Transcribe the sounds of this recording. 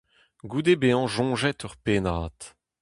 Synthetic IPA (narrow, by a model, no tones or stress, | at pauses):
ɡud̪ebeːɑ̃ʒɔ̃ːʒɛt̪ʰœʁpeːnaːt̪